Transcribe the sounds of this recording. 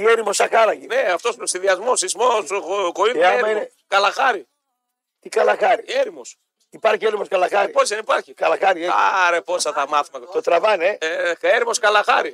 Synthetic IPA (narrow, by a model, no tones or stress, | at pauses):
ieɾimosɐkɐɾɐʝineɐft̪ossiðiɐzmosizmoskoit̪ɐeɾmɐine | kɐlɐxɐɾi | t̪ikɐlɐxɐɾieɾimo̞s | ipɐɾçieɾimoskɐlɐxɐɾipozðenipɐɾçikɐlɐxɐɾieaɾeposɐt̪ɐmɐθimɐt̪ɐt̪ot̪ɾɐvɐneeɾimo̞skɐlɐxɐ̰ɾi